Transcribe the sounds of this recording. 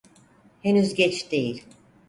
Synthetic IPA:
henyzɟɛt͡ʃd̪e̞jilʲ

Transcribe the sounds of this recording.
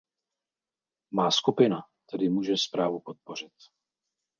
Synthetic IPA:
maːskupɪnat̪ɛdɪmuːʒɛspɾaːvupot̪̚por̝ɪt̪̚

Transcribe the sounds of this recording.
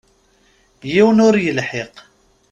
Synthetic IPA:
jiwənʊɾjəlħeq

